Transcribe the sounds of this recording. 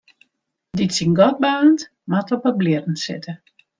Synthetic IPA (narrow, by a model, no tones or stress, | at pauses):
ditsinɡɔt̚bant | matɔpɔblɪərn̩sɪ̰tʰə